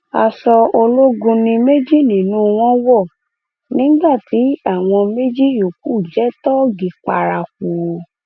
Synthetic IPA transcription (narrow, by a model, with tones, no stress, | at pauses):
a˧sɔ˧o˧lo˦ɡũ˧nĩ˧me˦d͡ʒi˦˨nĩ˨nũ˦w̃ɔ̃˦wɔ˦˨ | nĩ˦ɡ͡ba˦˨ti˨˦a˦˨w̃ɔ̃˧me˦d͡ʒi˦jo˨k̚u˦˨d͡ʒɛ˦tɔ˦ɡi˨k͡pa˧ɾa˧k̚u˨˧